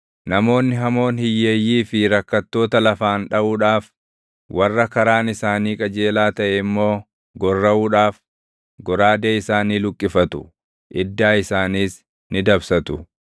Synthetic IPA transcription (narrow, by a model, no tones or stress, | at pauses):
nɐmo̞ːnːɪɦɐmo̞ːnhɪjːeːjːiːfɪɾɐkːɐt̪ːo̞ːt̪ɐlɐfaːnᶑɐʔuːᶑaːf | wɐrːɐkɐɾaːnɪsaːniːkʼɐd͡ʒe̞ːlaːt̪ɐʔɛɪmːo̞ː | ɡɔrːɐʔuːᶑaːf | ɡɔɾaːd̪eːɪsaːniːlʊkʼːɪfɐt̪ʊ | ʔɪd̪ːaːɪsaːniːs | nɪd̪ɐbsɐt̪ʊ